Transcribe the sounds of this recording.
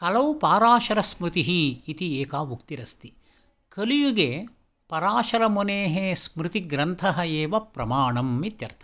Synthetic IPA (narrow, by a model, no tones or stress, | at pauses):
kɐlɐwpaːɾaːʃɐɾɐsmɾut̪iɦiːt̪ieːkaːʋukt̪iɾɐst̪i | kɐlijuɡe | pɐɾaːʃɐɾɐmoneːɦesmɾɪt̪iɡɾɐnt̪ʰɐɦɐeːʋɐpɾɐmaːɳɐmːit̪jɐɾt̪ʰɐ